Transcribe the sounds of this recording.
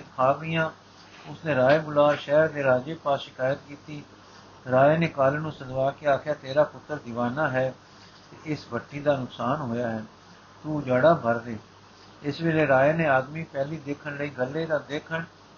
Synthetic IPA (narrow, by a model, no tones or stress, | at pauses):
kʰaːɡijãː | ʊsnẽːɾaːeːbʊlaːʃɛːɾd̪eːɾaːd͡ʒeːpaːsʃɪkaːjət̪̚kiːt̪iː | ɾaːeːneːkaːlnũːsəd̪ʋaːkeaːkʰjaːt̪eːɾaːpʊt̪ːəɾd̪ɪʋaːnãːɦɛː | t̪eːʔɪsbəʈːiːd̪aːnʊksaːnɦoːjaːɦɛː | t̪uːd͡ʒaːɽaːbʱəɾd̪eː | ɪsʋeːleːɾaːeːneːaːd̪miːpɛːliːd̪eːkʰəɳləiːɡəlːeːd̪aːd̪eːkʰəɳ